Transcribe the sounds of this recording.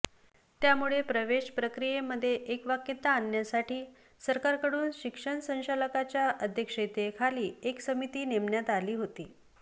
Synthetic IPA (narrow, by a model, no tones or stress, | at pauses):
t̪jamuɭepɾəʋeʂpɾəkɾijeməd̪ʱːjeʔekʋakːit̪ːaːnjasaʈʰiː | səɾkaɾkəɽuːnɕikʂəɳsə̃w̃ɕaləkat͡ɕjaʔəd̪ʱjəkʂəjt̪ekʰaliːeksəmit̪iːnemɳjat̪aliːɦot̪iː